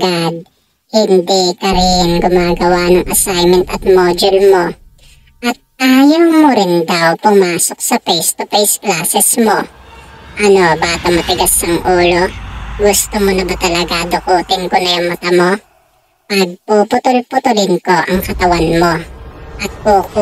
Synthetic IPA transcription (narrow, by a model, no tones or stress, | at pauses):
ɐɡad̪̚ | hɪnd̪ikɐɾɪŋɡʊmaːɡɐwanɐŋʔɐsajmɛnt̪ɐt̪̚mod͡ʒɛlmo | ʔɐt̪̚ʔaːjɐwmʊɾɪnd̪ɐwpʊmaːsok̚sɐpɛjst̪ʊpɛjsklaːsɛsmo̞ | ʔɐno̞baːt̪ɐmɐt̪ɪɡɐsːɐŋʔuːloɡʊst̪omonɐbat̪ɐlɐɡad̪okoːt̪ɪŋkonɐjɐŋmʊt̪ɐmo | pɐɡ̚popʊt̪ʊlpʊt̪ʊlɪnkoʔɐŋkɐt̪ɐwanmo̞ʔɐt̪̚pok